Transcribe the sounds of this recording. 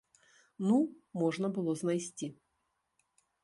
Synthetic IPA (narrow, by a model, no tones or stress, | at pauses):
numɔʐnɐbɨlˠɔznajsʲt͡sʲi